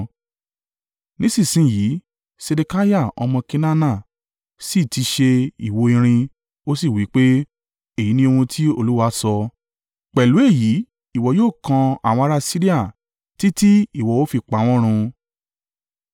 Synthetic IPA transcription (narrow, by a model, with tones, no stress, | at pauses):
nĩ˦sĩ˦˨sĩ˦˨jiː˨˦ | se˧de˧ka˦ja˦˨ɔ̰˧mɔ̃˧ki˦nã˦nã˦˨ | si˦˨ti˨˧ʃe˧ḭ˨wo˧i˧ɾ̃ĩ˧ | o˦si˦˨wi˨˦k͡pe˦ | e˦˨ji˨˦nĩ˧o˧wũ˧tʰi˦o˦˧lu˦wa˦sɔ˧ | k͡pɛ˨lu˨˦e˦˨ji˨˦ | i˦˨wɔ˨joː˦˨kã˧a̰˦˨wɔ̃˧a˧ɾa˦si˦ɾi˦a˦˨ | ti˦ti˦i˦˨wɔ˨o˦fi˧k͡pa˨˦˨w̃ɔ̃˦ɾ̃ũ˧